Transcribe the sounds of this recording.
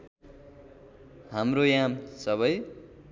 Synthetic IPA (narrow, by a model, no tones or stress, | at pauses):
hamrojamsʌβʌj